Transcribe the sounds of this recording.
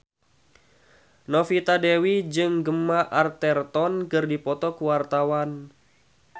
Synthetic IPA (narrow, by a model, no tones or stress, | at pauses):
nɔfit̪adewid͡ʒɨŋɡəmːaʔart̪ɛrt̪ɔnkɨrdipɔt̪ɔkuwart̪awan